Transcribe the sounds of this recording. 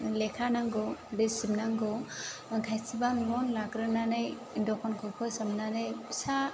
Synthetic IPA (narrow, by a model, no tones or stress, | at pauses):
lekʰanaŋɡɔɾisibnaŋɡɔkʰajsibanlɔnlaɡɾɯnanaj | indɔkʰɔnkʰɔkʰɯsamnanɯjsa